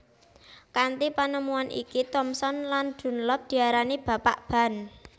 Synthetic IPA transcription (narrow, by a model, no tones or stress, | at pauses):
kant̪ipanəmuanʔḭkit̪ɔmsɔnland̪̥ṳnlɔp̚d̪̥i̤aɾanib̥a̤paʔb̥a̤n